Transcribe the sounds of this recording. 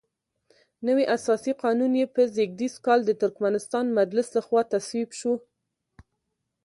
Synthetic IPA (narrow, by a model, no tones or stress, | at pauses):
nəwiʔasɑsiqɑnunjepəzeɡ̚d̪iskɑld̪ət̪ʊɾkmanɪst̪ɑnmad͡ʒlɪslaxwɑt̪aswibʃu